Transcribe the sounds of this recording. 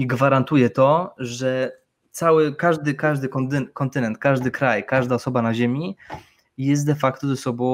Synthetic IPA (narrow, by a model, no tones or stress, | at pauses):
iɡvaɾant̪ujɛt̪ɔʐɛ | t̪sawɘkaʐd̪ɘkaʐd̪ɘkɔnt̪kɔnt̪ɘnɛnt̪̚kaʐd̪ɘkɾajkaʐd̪aɔsɔbanaʑemʲi | jɛs̬t̪̚d̪ɛfakt̪ɔzɛsɔbɔ̃